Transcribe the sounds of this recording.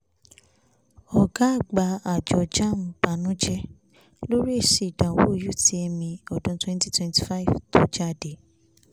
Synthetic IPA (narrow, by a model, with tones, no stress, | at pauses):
ɔ˨ɡa˨˦˨ɡ͡ba˨˧a˨d͡ʒɔ˨d͡ʒa˦˨m̩̃˨ba˨nũ˨˦d͡ʒɛ˦ | lo˦ɾi˦e˦˨ʃe˨dã˨wo̰˦˨ju˨˦ti˦ɛ˧mĩ˧ɔ˨dũ˧˦twɛ̃˦n˦ti˦twɛ̃˧nti̥˦fa˦i˨vto˧˦d͡ʒa˦˨de˨˦